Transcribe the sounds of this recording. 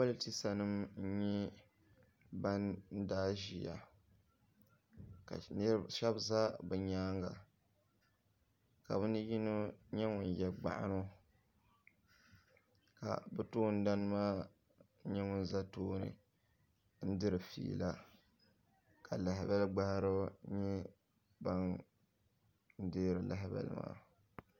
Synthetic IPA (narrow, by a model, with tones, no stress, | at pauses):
wa˦lɨ˦ti˦sa˨nɨ˦mn̩˦ɲɛ˦ | ba˦nn̩˦daː˦ʒi˨ja̰˨ | ka̰˨n˦ʃɛ˦bza˦bɨ˨ɲaː˦ŋɡa˨ | ka̰˨bɨ˦nɨ˦ji˦no˦ɲɛ˦ŋʊ˨n˨jɛ˨ɡ͡ba̰˨ʔa̰˦no˦ | ka̰˨bɨ˦toː˦n̩˦da˦n˦maː˦ | ɲɛ˦ŋʊ˦n˦za˦toː˦nɨ̰˨ | n̩˦dɨ˦ɾɨ˨fḭː˨˦˨la˦ | ka˨la˨ɦɪ˨bɛ˦lɡ͡ba˦hɾo˦ɲɛ˦ | ba˦n | n̩˦deː˦ɾɨ˨la˨ɦɪ˦bɛ̰˦l̰ma̰ː˦